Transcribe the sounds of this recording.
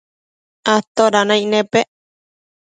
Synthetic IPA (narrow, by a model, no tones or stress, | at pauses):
at̪oɾanãjʔnẽpeʔ